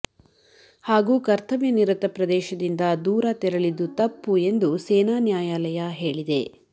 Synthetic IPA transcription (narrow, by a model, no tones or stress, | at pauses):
haːɡuːkɐɾt̪ʰɐʋjɐniɾɐt̪ɐpɾɐd̪ɛːʃɐd̪ind̪ɐd̪uːɾɐt̪ɛɾɐɭid̪ut̪ɐpːue̞nd̪useːnaːnjaːjaːlɐjɐɦeːɭid̪e̞